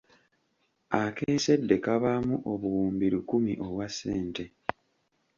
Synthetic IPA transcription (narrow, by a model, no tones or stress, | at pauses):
akeːse̞dːe̞kaβamuʔo̞βuwuːmbiɾikumiʔo̞βwasːeːnte̞